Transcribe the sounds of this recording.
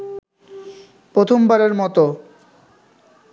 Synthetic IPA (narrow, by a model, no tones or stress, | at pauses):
pɾot̪ʰombaɾeɾmɔt̪o